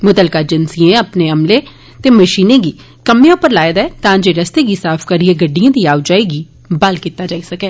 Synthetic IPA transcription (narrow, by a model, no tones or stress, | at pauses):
mʊt̪əlkaːd͡ʒɪnsiːẽːəpneːəmleː | t̪eːməʃiːnẽːɡiː | kəmːẽʊpːəɾlaːed̪aɛːt̪ãːd͡ʒeːɾəst̪eːɡiːsaːpʰkəɾieːɡəɖːijãːd̪iːaːd͡ʒaːeːɡiː | bəlkiːt̪aːd͡ʒaːiːsəkɛː